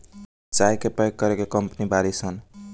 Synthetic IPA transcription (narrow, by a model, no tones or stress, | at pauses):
t͡ʃajkepʌeɡkʌɾekekʌmpnibaɾisʰʌn